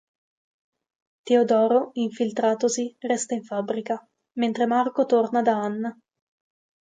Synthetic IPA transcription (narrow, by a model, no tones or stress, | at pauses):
t̪eod̪ɔːɾoiɱfilt̪ɾaːt̪osirɛst̪aiɱfabɾika | ment̪ɾemarkot̪ornad̪aanːa